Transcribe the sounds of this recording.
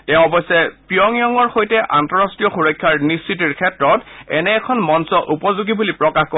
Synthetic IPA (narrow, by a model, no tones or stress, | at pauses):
tɛʊ̃ɔbɔsɛpijɔŋijɔŋɔɹxojtɛʔantɔɹastɹijɔxuɹɔjkʰːaɹnist͡ʃit̬iɹkʰɛtɹɔtɛ̰nɛːkʰɔnmɔnsɔʔupɔzuɡibulipɹɔkaxkɔ